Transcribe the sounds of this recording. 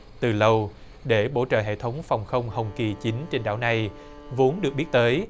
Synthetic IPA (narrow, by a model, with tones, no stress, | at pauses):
t̪ɨ˨˩lə˧w | ɗe˧˩ɓo̰˧˩t͡ɕə̰ː˧˨ɦḛ˧˨t̪ʰə˨˦wŋ͡mfa˨˩wŋ͡mxə˧wŋ͡mhə˨˩wŋ͡mki˨˩t͡ɕi˨˦ŋ̟t͡ɕe˧nɗa̰ː˧˥˨wna˨˩j | vo˨˦ənɗɨ˨˩ək̚ɓi˦˥t̚t̪əː˨˦j